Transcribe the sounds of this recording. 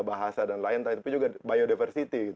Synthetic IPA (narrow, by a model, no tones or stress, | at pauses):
baɦasadanlaɪnt̪ait̪pɪd͡ʒuɡabajodifərsit̪iɡit̪